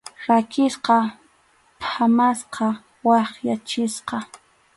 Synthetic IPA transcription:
ɾakɪsqɑ | pamasqɑ | wɑχjat͡ʃɪsqɑ

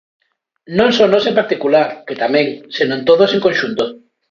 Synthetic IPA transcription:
nõŋsonosempaɾt̪ikulaɾket̪amẽŋsinõnt̪oð̞oseŋkonʃunt̪o

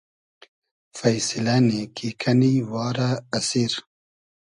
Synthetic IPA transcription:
fajsilanekʰikʰaniwɑːɾaːsiɾ

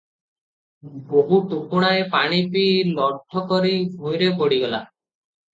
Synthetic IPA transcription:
boɦuʈukuɽ̃aepaɽ̃ipilɔɖʱːɔkɔɾibʱojɾepɔɽiɡɔla̰

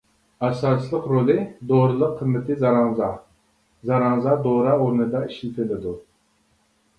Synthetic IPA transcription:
æsɑslˠəqɾolˠɨd̪oɾɨlˠəqʰːəmːɪt̪ʰɪzɑɾɑŋzɑ | zɑɾɑŋzɑd̪oɾɑuɾnɨd̪ɑiʃilt̪ʰɪlɪd̪u

